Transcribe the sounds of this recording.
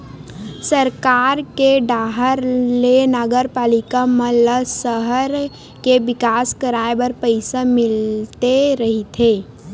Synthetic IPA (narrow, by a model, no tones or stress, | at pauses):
səɾkaːɾkeɖaːɦəɾlenəɡəɾpaːlɪkamələsəɦəɾ | keʋɪkaːskəɾaːebəɾpəɪsamɪlt̪eɾɐɦit̪ʰeː